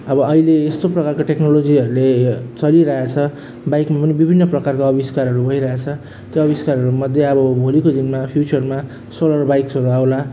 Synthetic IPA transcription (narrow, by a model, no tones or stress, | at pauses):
ʌbʌʌɦileːst̪oprʌkarkoʈeknolod͡ziʌɾulet͡sʌliɾaɦat͡sʰʌ | bajkmapʌnibibʱinːʌprʌkarkoʌbiskarɦʌɾubʱʌiɾʌɦet͡sʰʌ | t̪joʌβiskarɦʌɾumʌd̪ʱjeʌbʌbʱolikod̪inmapʰjut͡sʌrma | solʌrbajksʌɾuawla